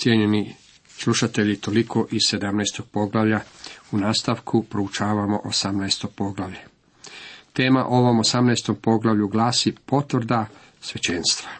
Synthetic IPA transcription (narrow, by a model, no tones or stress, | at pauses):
t̪sjeɲe̞ni | slˠuʃat̪e̞ʎit̪o̞likʰo̞ʔiz̥se̞d̪amnajst̪o̞ɡ̥̚po̞ɡlaʋʎaunaːst̪aʋkʰupɾout͡ʃaːʋamo̞ʔosamnajst̪o̞ɡ̥̚po̞ɡlˠaʋʎe | t̪e̞ːma̰ʔo̞ʋo̞mo̞samnajst̪o̞mpo̞ɡlˠaʋʎuɡlaːsipo̞t̪ʋr̩d̪a | sʋe̞t͡ɕe̞nst̪ʋḁ